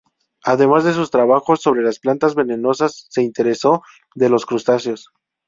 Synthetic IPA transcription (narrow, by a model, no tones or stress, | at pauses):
aðe̞mazðe̞s̬ust̪ɾaβaxo̞sːo̞βɾe̞lasplant̪azβe̞ne̞no̞sasːe̞int̪e̞ɾe̞so̞ | ðe̞lo̞skɾust̪asjo̞s